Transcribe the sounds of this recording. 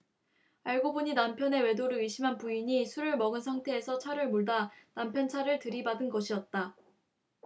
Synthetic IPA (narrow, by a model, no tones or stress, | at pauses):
aɭɡobuɲinampʰjʌne̞we̞doɾɯɾiɕʰimɦanpuiɲisʰuɾɯɭmʌɡɯnsʰaŋtʰe̞ːsʰʌt͡ɕʰaɾɯɭmoɭdanampʰjʌnt͡ɕʰaɾɯɭtɯɾibadɯnɡʌɕʰiʌt̚t͈a